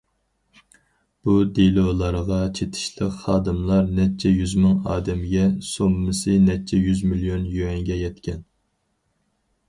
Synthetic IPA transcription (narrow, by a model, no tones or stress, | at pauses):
b̥ud̪elˠolˠɑɾəʁɑt͡ʃʰet̪ʰɪ̥ʃlˠəqχɑːd̪ɨmlˠɑɾnɛt͡ʃʰːɛjyzmɨŋɑːd̪ɛmɡʲɛsomːɨsɨnɛt͡ʃʰːɛjyzmilijonjøɛŋɡʲɛjɛt̪kʲɛn